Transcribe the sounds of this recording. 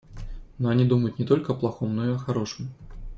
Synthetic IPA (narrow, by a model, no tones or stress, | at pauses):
nɔanʲid̪uməjut̪ʲnʲɛt̪ɔlʲkɐɐplˠaxɔmnɔiɐxaɾɔʂɨm